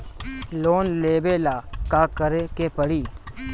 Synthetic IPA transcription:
loːnleːbeːlaːkaːkəɾekeːpəɽiː

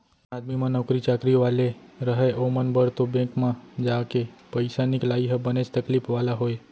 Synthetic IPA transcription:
ad̪mimãnəkɾit͡ʃakɾiʋale | ɾəɦəjʔomənbəɾt̪obẽkmãd͡ʒakepəjsaniklajɦəbəned͡ʒt̪əklipʋalaɦoj

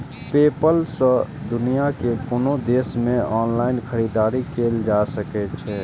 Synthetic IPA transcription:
pepəlsə̃ | d̪unijakekoːnod̪esmẽɔːnlaɪnkʰəɾid̪aɾikeld͡ʒasəkɛt͡ʃʰɛ

